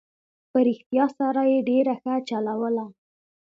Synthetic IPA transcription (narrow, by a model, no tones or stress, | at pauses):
pəɾɪxt̪jɑsɑɾajeɖeɾaxət͡ʃalawəla